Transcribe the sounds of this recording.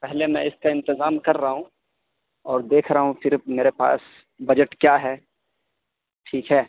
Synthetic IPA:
pɛɦlemɛ̃ɪskaɪ̃nt̪ɪzaːmkɐɾːɐɦũ | ɔːɾd̪eːkʰɾɐɦũfɪɾmeːɾepa̰ːs | bɐd͡ʒəʈkjaːɦɛː | ʈʰiːkɦɛː

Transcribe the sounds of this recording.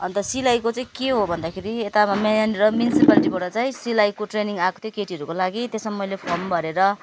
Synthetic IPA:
ʌnt̪ʌsilajkot͡saĩkeɦobʱʌnd̪akʰeɾiet̪aamaanɾʌmjunisipaliʈibʌɽʌt͡saĩsilajkoʈreniŋɡakot̪ʰjokeʈiʌɾukolaɡit̪esʌmːʌjlepʰʌrmbʱʌɾeɾʌ

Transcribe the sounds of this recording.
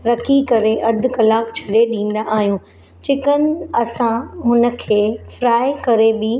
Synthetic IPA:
ɾɐkʰikɐɾeʔɐd̪ʱʊ̆kɐlaːkt͡ɕʰɐɽeɗĩːn̆d̪aʔaːɦijũː | t͡ɕɪkənɐsãmʊ̃nə̆kʰeːfɾaːekɐɾebɪ

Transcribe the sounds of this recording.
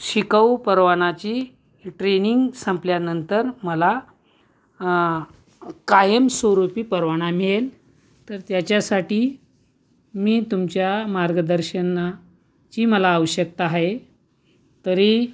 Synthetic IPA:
ɕikəwpəɾʋaɳ̃at͡ɕiː | ʈɾeniŋɡsə̃mpljanənt̪əɾməla | kajəmsəɾupiːpəɾʋaɽ̃amiɭel | t̪əɾt̪jat͡ɕjasaʈiː | miːt̪umt͡ɕjamaɾɡəd̪əɾɕəna | t͡ɕiːməlaːʋəɕək̚t̪aaɦe | t̪əɾi

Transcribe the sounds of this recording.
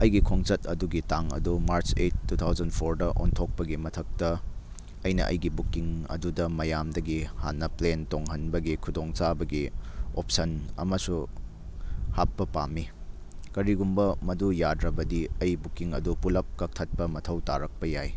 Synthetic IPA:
ɐjɡikʰoŋt͡ʃɐtɐ̰duɡitaŋɐ̰dumaɾt͡ʃḛt̚ːutʰawzɐnpʰoɾdɐʔo̰ntʰok̚pɐɡimɐtʰɐk̚tɐ | ɐjnɐ̰ʔɐ̰jɡibukːiŋɐ̰dudɐmɐjamdɐɡihanːɐplentoŋɦɐnbɐɡikʰudoŋt͡ʃabɐɡiop̚sɐnɐ̰mɐsu | hap̚ːɐpami | kɐɾiɡumbɐmɐdujadɾɐbɐdiɐjbukiŋɐ̰dupulɐp̚kɐk̚tʰɐt̚pɐmɐtʰɐwta̰ɾɐk̚pɐjaj

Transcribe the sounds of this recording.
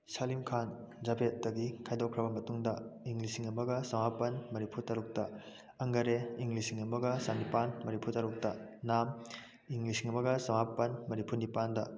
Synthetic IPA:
salimkʰan | d͡ʒabʱet̚dɐɡikʰajdokʰɾɐbɐmɐtuŋdɐiŋlisiŋɐmɐɡɐsɐwapɐnmɐnipʰuɾtʰaɾuk̚tɐ | ɐŋɡɐɾeiŋlisiŋɐmɐɡɐsanipanmɐnipuɾtʰaɾuk̚tɐnam | iŋlisiŋɐmɐɡɐsɐŋapɐnmɐnipʰuɾnipandɐ

